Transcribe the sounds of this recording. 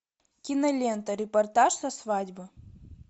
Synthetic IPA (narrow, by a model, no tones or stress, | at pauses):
kʲɪnɐlʲent̪əɾʲɪpɐrt̪aʂsɐsvadʲbɨ